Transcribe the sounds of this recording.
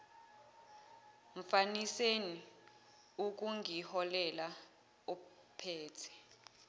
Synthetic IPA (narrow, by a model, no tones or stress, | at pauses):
ɱfaniseni | uk̬uŋʱihɔlɛla | ɔ | pʰɛːtʰɛ̥